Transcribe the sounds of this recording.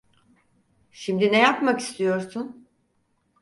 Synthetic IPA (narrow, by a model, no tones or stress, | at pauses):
ʃimd̪inejapmaki̥st̪ʰijo̞ɾsun